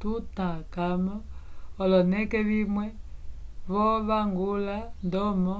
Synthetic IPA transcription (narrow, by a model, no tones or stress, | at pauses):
tutakamɔːlɔnɛkɛβimwɛ | βɔβaŋɡulandɔmɔ